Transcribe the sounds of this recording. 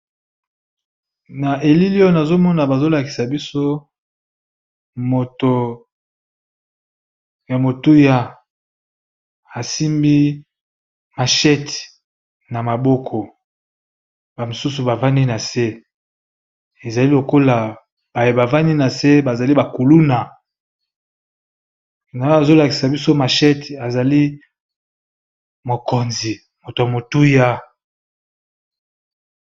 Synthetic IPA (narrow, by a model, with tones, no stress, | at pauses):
na˨e˨li˦li˦o˦na˨zo˦mɔ˦na˨ba˨zo˦la˨ki̥˨sa˨bi˦so˦ | mo˨to˨ | ja˨mo˨tu˦ja˨ | a˨si˦mbi˦ | ma˨ʃɛ˦t | na˨ma˨bɔ˦kʰɔ˨ | ba˨mo˨su˦su˨ba˨va˦ni˦na˨se˦ | e˨za˨li˦lo˨ko˦la˨ | b̥a˨je˨ba˨va˦ni˦na˨se˦ba˨za˨li˦ba˨ku˨lu˦na˨ | na˨˦a˨zo˦la˨ki˨sa˨bi˦so˦ma˨ʃɛ˦ta˨za˨li˦ | mo˨ko˨nzi˨ | mo˨to˨a˨mo˨tu˦ja˦